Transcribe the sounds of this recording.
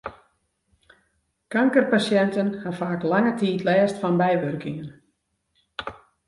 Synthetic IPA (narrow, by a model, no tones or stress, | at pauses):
kaŋkərpasjɛntənhanfaːklaŋətiːtlɛːstfɔnbɛjʋørkɪŋən